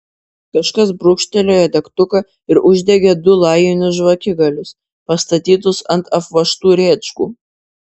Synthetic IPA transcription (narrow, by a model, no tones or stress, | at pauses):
kɐʃkɐs̬bɾʊkʃʲt̪ʲɛlʲoːjɛd̪ʲɐkt̪ʊkɐ | ɪɾʊʒʲd̪ʲɛɡʲed̪ʊlˠɑɪjonʲʊsʒʋɐkʲɪɡɐlʲʊs | pɐst̪ɐt̪ʲiːt̪ʊsɐnt̪ɐfʋɐʃt̪uːɾʲeːt͡ʃkṵː